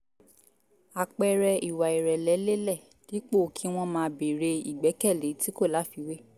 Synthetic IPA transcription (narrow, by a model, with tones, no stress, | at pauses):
a˨k͡pɛ˧ɾɛ˧i˨wa˨i˨ɾɛ˨lɛ˨˦le˦lɛ˦˨ | di˨˦k͡po˦˨kʰĩ˨˦w̃ɔ̃˦mãː˧be˨ɾe˧i˨ɡ͡bɛ˨˦kɛ˦˨le˨˦ti˦ko˦˨la˨˦fi˧we˦